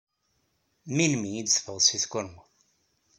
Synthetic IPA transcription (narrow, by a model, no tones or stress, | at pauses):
minmijid̪sfəðsiθkʊɾmu